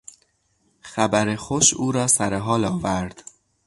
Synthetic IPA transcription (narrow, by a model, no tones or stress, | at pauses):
xæbæɾexoʃuːɾɒːsæɾeɦɒːlɒːvæɾd̪̥